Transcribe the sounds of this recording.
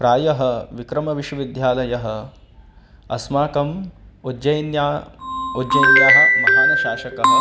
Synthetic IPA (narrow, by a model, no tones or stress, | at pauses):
pɾaːjɐɦɐ̆ʋikɾɐmɐʋiʃɐʋid̪ʱjaːlɐjɐɦɐ̆ | ɐsmaːkɐmod͡ʒd͡ʒɐjnjaːoːɐjnjaːɦɐ̆mɐɦaːnɐʃaːʃɐkɐɦɐ